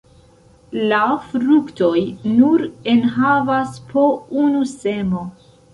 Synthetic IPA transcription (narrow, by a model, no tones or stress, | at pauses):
lafɾukto̞jnuɾe̞nɦavaspʰounuse̞mo̞